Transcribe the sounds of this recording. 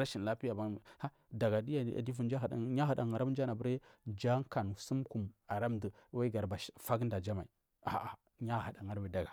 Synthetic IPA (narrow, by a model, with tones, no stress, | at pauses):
ɾa˦ʃi˨n˨la˦pi˦ja˨ba˦˨ha˦ | da˨ɡa˨di˦ja˦a̰˨di˦vu˨n˦d͡ʒa˦˨a̰˨ɲa˦ɦa˨da˨ŋa˨ɾa˦m˦d͡ʒa˦na˨bə˦ɾe˦nd͡ʒa˦ŋ˦ka˨n˨su˦mku˨ma˨ɾa˦mdə˨˦wa˦i˦ɡa˨ɾba˨ʃfa˦ɡn˦da˨d͡ʒa˦ma˨i˨ | a̰˨a˨ | ɲa˦˨ha˨da˨ŋa˦ɾwi˨da˨ɡa˨